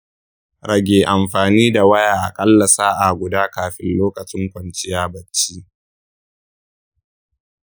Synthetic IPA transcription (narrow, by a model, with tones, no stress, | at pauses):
ɾɐ˦˨ɡʲeː˨ʔa˨mɸaː˨niː˦da˨wɐ˦jaː˨ʔa̰˨kʼɐ˦lːɐ˨saː˦ʔa˨ɡʷʊ˨daː˦kaː˨ɸɪ˦nloː˦kɐ˨t͡ʃʼɪ˦ŋkʷɐ˨nt͡ʃɪ˦jaː˦bɐ˨t͡ʃːiː˦